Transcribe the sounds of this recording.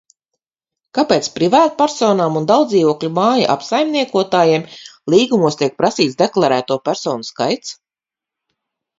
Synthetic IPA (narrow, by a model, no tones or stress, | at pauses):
kapeːt̪spɾivaːt̪pæɾsɔːnaːmund̪awd̪ziːvuɔklʲumaːja̰ʔa̰psajmniɛkuɔt̪aːjiɛmlˠiːɡumuɔst̪iɛk̚pɾasiːt̪sd̪eklˠaɾæːt̪uɔpʲæɾsɔːnuska̰jt̪s